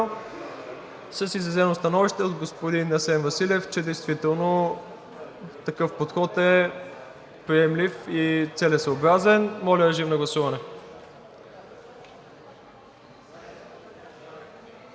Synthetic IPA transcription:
səsizɾɐzɛnost̪ɐnɔviʃt̪ɛod̪ɡospod̪inɐsɛnvɐsilʲɛft͡ʃɛd̪ɛjst̪vit̪ɛlˠno | t̪ɐkɤfpot̪xɔt̪ɛ | pɾiɛmlʲifit̪sɛlɛsoobɾazɛnmɔlʲəɾɛʒimnɐɡlˠɐsuvɐnɛ

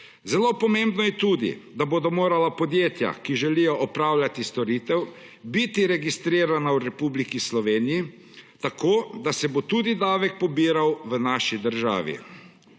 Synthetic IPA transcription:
zɛloːpɔmembnɔjɛt̪uːd̪ḭd̪aboːd̪ɔmoːɾalapɔd̪jeːt̪ja̰kiʒɛlijɔʔɔpɾaːwlʲat̪ist̪ɔɾiːt̪ɛw | bit̪iɾɛɡist̪ɾiːɾanawɾɛpublikislɔʋeːniji | t̪akoːd̪asɛbot̪uːd̪id̪aːʋɛk̚pɔbiːɾawʋənaːʃid̪əɾʒa̰ːʋḭ

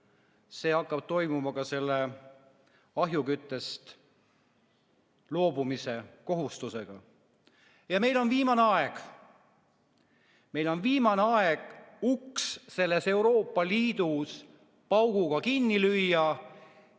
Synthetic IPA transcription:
se̞ːɑkːɑb̥̚t̪o̞jmumɑkɑse̞lːe̞ | ɑɦjukyt̪ːˑe̞st̪ | lo̞ːbumise̞ko̞ɦust̪use̞ɡ̥ɑ̰ | jɑme̞jlo̞nviːmɑneɑeɡ̥ | me̞jlo̞nviːmɑneɑeɡ̥uksse̞lːe̞se̞uɾo̞ːpːˑɑliːd̪̥us | pɑwɡ̥uɡ̥ɑkinːilyjːɑ

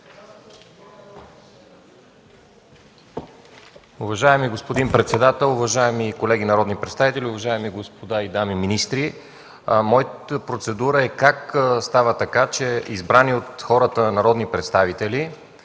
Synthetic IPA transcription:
ʊvɐʒaɛmiɡospod̪inpɾɛt̪sɛd̪at̪ɛlˠʊvɐʒaɛmikolɛɡinɐɾɔd̪nipɾɛt̪st̪avit̪ɛlʲiʊvɐʒaɛmiɡospod̪aid̪amiminist̪ɾi | mɔj̪pɾot̪sɛd̪uɾəɛkakst̪avət̪ɐkat͡ʃɛizbɾaniot̪xɔɾət̪ənɐɾɔd̪nipɾɛt̪st̪avit̪ɛli

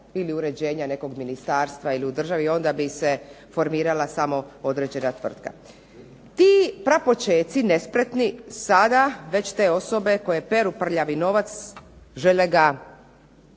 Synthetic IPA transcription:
iliuɾe̞d͡ʑe̞ːɲane̞ko̞ɡminist̪aːɾst̪ʋailiud̪r̩ʒaʋio̞nd̪abise̞ | fo̞ɾmiːɾalasamo̞o̞d̪ɾe̞d͡ʑe̞nat̪ʋr̩t̪ka̰ | t̪iːpɾapo̞t͡ʃe̞ːt̪sine̞spɾe̞t̪nisad̪aʋe̞t͡ɕt̪e̞ːo̞so̞be̞ko̞je̞pe̞ɾupr̩ʎaʋino̞ʋat̪sʒe̞leɡa

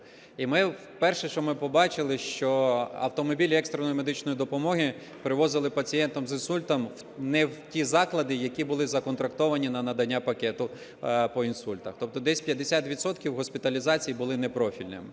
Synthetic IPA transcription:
imɪwpɛrʃɛʃɔmɪpɔbɑt͡ʃɪlˠɪʃt͡ʃɔɐ̰wt̪ɔmɔbʲilʲɛkst̪ɾenɔjmed̪ɪt͡ʃnɔjid̪ɔpɔmɔɦɪ | pɾɪʋɔzɪlˠɪpɐt͡sʲijɛnt̪ɔmzɪnsulʲt̪ɐmw | nɛwtʲizɑklˠɐd̪ɪjɐkʲibʊlˠɪzɐkɔnt̪ɾɐkt̪ɔʋɐnʲinɐnɐd̪ɐnʲːapɐkɛt̪ʊ | pɔinsulʲt̪ɐxt̪ɔp̚t̪ɔd̪ɛsʲpʲjɐd̪ːesʲat̪ʋʲit̪sɔt̪̚kʲiwɦɔsʲpʲɪt̪ɐlʲizɑt͡sʲijibʊlˠɪnɛpɾɔfʲilʲnɪ̰mɪ

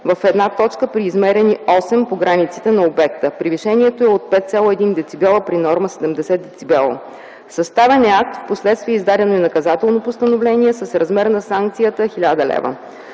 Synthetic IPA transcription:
vəfɛd̪nat̪ɔt͡ʃkəpɾiːzmɛɾɛniɔsɛmpoɡɾanit̪si̥t̪ɛnɐobɛk̚t̪əpɾiviʃɛnʲiɛt̪oɛot̪̚pɛt̪t̪sʲjalˠoɛd̪ind̪ɛt̪sibɛlˠəpɾinɔɾməsɛd̪ɛmd̪ɛsɛd̪̚d̪ɛt̪sibɛlˠə̰ | sɐst̪avɛnak̚t̪fposlɛt̪st̪viɛizd̪aɾʲɛnoinɐkɐzat̪ɛlˠnopost̪ənovlɛniɛsəsɾɐzmɛɾnɐsaŋkt̪sijət̪əxilʲad̪əlɛ̰və̰

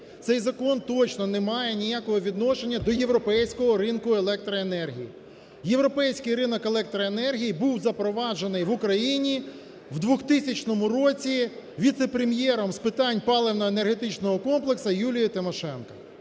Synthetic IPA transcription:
t̪sɛjzɐkɔnt̪ɔt͡ʃnɔnemɑjɛnʲijakɔɦɔʋʲid̪nɔʃe̞nʲːɐd̪ɔje̞ʋɾɔpɛjsʲkɔɦɔɾɪnkʊe̞lˠɛk̚t̪ɾɐenɛrɦʲḭji | jeʋɾɔpɛjsʲkɪjrɪnɔkelˠɛk̚t̪ɾɐenɛrɦʲijibuwzɐpɾɔʋɑd͡ʒe̞nɪjʋʊkɾɐjinʲi | wd̪ʋʊxt̪ɪsʲɐt͡ʃnɔmʊɾɔt͡sʲiʋʲit̪sepɾemjɛɾɔmspɪt̪ɑnʲpɑlˠeʋnɔenerɦet̪ɪt͡ʃnɔɦɔkɔmplˠeksɐjulʲijɐt̪ɪmɔʃɛnkɐ

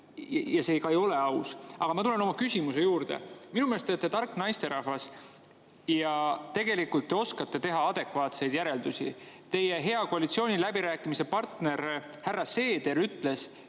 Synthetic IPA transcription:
jɑseːkɑejo̞leɑwsɑɡ̥ɑmɑt̪ule̞no̞mɑkysʲimuse̞juːɾd̪̥e̞̰minumelest̪et̪ːet̪ɑrkːˑnɑjst̪e̞ɾɑhvɑs | jɑt̪e̞ɡ̥e̞likːult̪ːe̞o̞skɑt̪ːe̞t̪e̞ɦɑɑd̪̥e̞kvɑːt̪se̞jd̪jæɾe̞ld̪̥usʲḭt̪e̞jeɦe̞ɑkoɑlʲit̪sio̞ːnʲilæbiɾæːkːˑimise̞pɑrt̪ne̞ɾ | hærːɑse̞ːd̪̥e̞ɾyt̪ˑle̞s

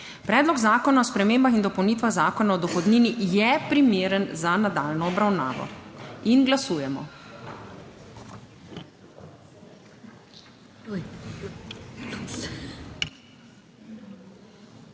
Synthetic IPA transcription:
pɾɛːd̪lɔɡzaːkɔnaɔspɾɛmeːmbaxind̪ɔpɔwniːt̪ʋaɣzaːkɔnaɔd̪ɔxɔd̪niːnijɛpɾimeːɾənzanad̪aːlnɔɔbɾawna̰ːʋɔ̰inɡlasuːjɛmɔ̰

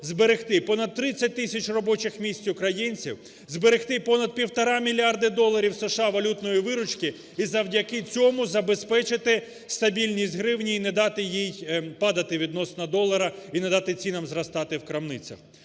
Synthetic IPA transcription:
zbeɾext̪ɪpɔnɐd̪̚t̪ːɾɪt͡sʲːɐt̚ʲt̪ɪsʲɐt͡ʃrɔbɔt͡ʃɪxmʲisʲtt͡sʲʊkɾɐjinʲt͡sʲḭw | zbeɾext̪ɪpɔnɐd̪̚pʲiwt̪ɔɾɑmʲilʲiɑrd̪ɪd̪ɔlˠːɐɾʲiwseʃɑʋɐlʲut̪nɔjiʋɪɾʊt͡ʃkɪ | izɐwdʲɐkɪt͡sʲɔmʊzɐbespɛt͡ʃɪt̪ɪ | st̪ɐbʲilʲnʲisʲt̪ʲɦɾɪwnʲiːnɛd̪ɑt̪ɪjijpɑd̪ɐt̪ɪʋʲid̪nɔsnɐd̪ɔlˠɐɾɐinɛd̪ɑt̪ɪt͡sʲinɐmzrɐst̪ɑt̪ɪwkɾɐmnɪt͡sʲɐ̰x

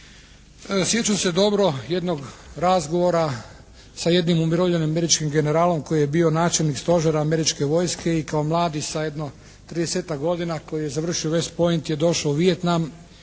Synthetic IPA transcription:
sje̞t͡ʃase̞d̪o̞bɾo̞je̞d̪noɡɾazɡo̞ʋo̞ɾa | saje̞d̪nimumiɾoʋʎenimame̞ɾit͡ʃkimɡe̞ne̞ɾaːlo̞mko̞jijebio̞naːt͡ʃe̞lnikst̪o̞ʒeɾaːme̞ɾit͡ʃke̞ʋo̞jske̞ikaomlˠaːd̪isaje̞d̪no̞ | t̪ɾid̪eseːt̪akɡo̞d̪inako̞jije̞zaʋr̩ʃioʋe̞spo̞int̪je̞d̪o̞ʃauʋije̞t̪nam

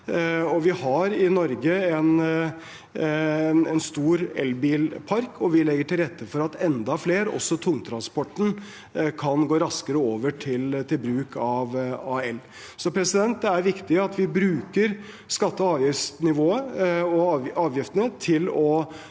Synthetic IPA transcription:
ɔʋɪhɑɾɪnɔɾɡəɛn | ɛnst̪uːɾɛ̰lbiːlpʰɑɾkʰɔʋɪlɛɡːəʈʰɪlɾɛt̪ʰːəfɔɾɑt̪ɛnd̪ɑfleːɾɔ̰sːɔt̪ʰʊŋːt̪ʰɾɑnspɔʈːn̩ | kʰɑnɡoːɾɑskəɾəoːʋəʈʰɪlt̪ʰɪlbɾʉːkʰɑʋɑɛlː | sɔpʰɾɛsɪd̪ɛnt̪̚d̪ɛæɾʋɪkt̪ɪəɑt̪ʋɪbɾʉːkəɾ | skɑt̪ːəɑːʋjɪft̪nɪʋoːəɔɑɑːʋjɪft̪ənət̪ʰɪlɔ

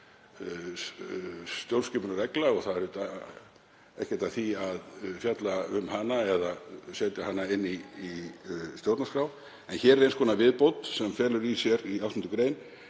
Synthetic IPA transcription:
st̪jowlscɛpʏnaɾɛklaɣɔɣθaðɛɾʏt̪a | ɛ̰hcɛ̥t̪aθiaðfjat̪laʏmhanːaɛðasɛt̪jahɦanːaɪnːiː | st̪jowt̪naskɾaw | ɛnçɛːɾɛɾejnskʰɔːnavɪðpowt̪sɛmfɛːlʏɾisjɛɾiawst̪ʏnt̪ʏkɾejn

